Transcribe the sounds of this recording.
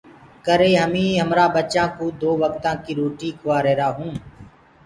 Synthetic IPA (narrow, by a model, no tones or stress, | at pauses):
kəɾeːɦəmĩːɦəmɾaːɓət͡ʃãːkuːd̪oːʋəkt̪ãːkiːɾoːʈiːkʰʊʋaːɾeːɾaːɦũː